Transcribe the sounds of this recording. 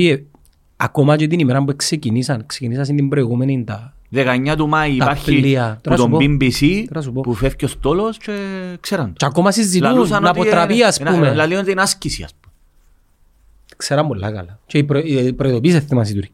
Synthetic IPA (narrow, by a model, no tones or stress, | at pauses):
ie | akomɐt͡ʃot̪inimeɾɐmbueksecinisɐnksecinis̬ɐs̬ind̪imbɾoiɣumenind̪ɐ | ðekaɲːat̪umaiːt̪paɾçiliɐt̪nust̪ompobimbisinɐs̬upopufefcost̪olost͡ʃekseɾɐnd̪t͡ʃakomɐsizːiluunnat̪pot̪ɾɐpiɐːsumelaliont̪inascisiɐ̰spu̥me | kseɾɐmbolːa̰kɐ̰lat͡ʃeipɾpɾoiðopis̬eθːimas̬it̪uɾi